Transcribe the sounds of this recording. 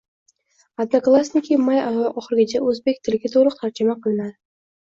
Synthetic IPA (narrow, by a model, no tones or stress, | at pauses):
ad̪naklˠasnɪkʲʰimajaʔɒχɨɾɡʲɪt͡ʃʰaɵzbekʲt̪ʰɪlɡʲat̪ʰoʁlˠɨq̚t̪ʰaɾd͡ʒɪmaqʰɨlˠɪnad̪ɪ